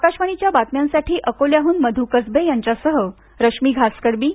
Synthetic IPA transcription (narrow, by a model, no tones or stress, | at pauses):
kaɕʋaɳit͡ɕjabat̪mjãnsaʈʰiːʔəkoljaɦuːnməd̪ʱukəd͡zbejaɲt͡ɕasəɦə | ɾəkʂmiːɡʱaskəɽbiː